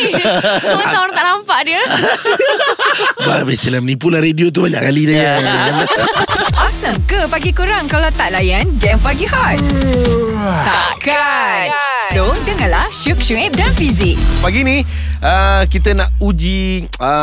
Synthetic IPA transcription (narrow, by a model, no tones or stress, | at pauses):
ət̪aɾãŋt̪aʔnampaʔdiə | babɛsilamənĩpulaɾediot̪ubaɲa̰ʔkalidaja | ʔɔsəmkəpaɡikuɾaŋkalawt̪aʔlajanɡɛmpaɡiɦɔt̪̚ | t̪aaka | sodəŋanlahʃuk̚ʃuŋɛp̚danfizɪk̚paɡini | ʔəkit̪ənaʔud͡ʒi | ə